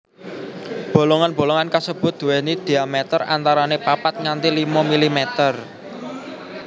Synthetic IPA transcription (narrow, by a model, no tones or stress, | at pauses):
b̥o̤loŋanbo̤loŋankasəb̥ʊ̤t̪̚d̪̥ṳwɛnid̪̥i̤amɛt̪əra̰nt̪aɾanepapat̪̚ŋant̪ilimɔmilimɛt̪ər